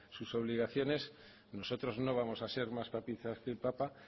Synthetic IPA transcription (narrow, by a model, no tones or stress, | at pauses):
suso̞β̞liɣ̞aθjo̞ne̞s | no̞so̞t̪ɾo̞znoβ̞amo̞sase̞ɾmaspapiθaske̞lpapa